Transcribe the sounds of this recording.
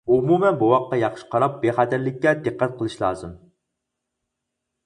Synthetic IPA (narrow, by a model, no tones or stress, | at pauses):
umumɛnbuwɑqːɑjɑχʃɨ̥qʰɑɾɑp̚beχæt̪ʰæɾlɪk̚ʲːɛd̪ɨqːɛt̪̚qəlˠɨʃlˠɑ̰ːzɨm